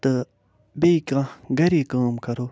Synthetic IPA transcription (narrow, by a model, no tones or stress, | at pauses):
t̪ə | bekãɡaɾikamkaɾo